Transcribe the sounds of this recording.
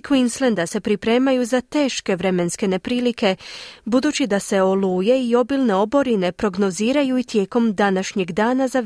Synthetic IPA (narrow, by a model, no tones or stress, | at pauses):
kʋinslend̪ase̞pɾipɾe̞ːmajuzat̪e̞ːʃke̞ʋɾe̞me̞nske̞ne̞pɾiːlike̞bud̪uːt͡ɕid̪ase̞o̞luːje̞io̞biːlˠne̞o̞bo̞ɾine̞pɾo̞ɡno̞ziːɾajuit̪je̞ːko̞md̪anaʃɲe̞ɡd̪aːnaza